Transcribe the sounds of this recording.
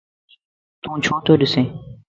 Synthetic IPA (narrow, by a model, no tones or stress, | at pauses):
t̪ũːt͡ʃʰõːt̪oːɗɪsẽː